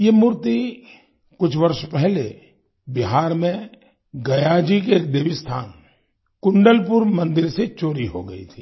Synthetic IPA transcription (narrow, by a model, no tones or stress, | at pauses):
jemʊɾt̪i | kʊt͡ʃʰʋɐɾʃpɛɦle | bɪɦaːɾmẽ | ɡɐjaːd͡ʒikeːk̚d̪eːʋɪst̪ʰa̰ːn | kʊɳɖəlpʊɾmɐ̃nd̪ɪɾset͡ʃoːɾiɦo̰ɡɐḭt̪ʰiː